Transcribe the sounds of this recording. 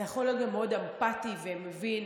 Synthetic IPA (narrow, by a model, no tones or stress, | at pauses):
aχoloɡameod̪ampat̪ivemevin